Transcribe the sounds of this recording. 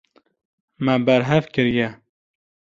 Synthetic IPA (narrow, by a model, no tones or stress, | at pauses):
mɛbæɾɦɛvkɨɾjɛ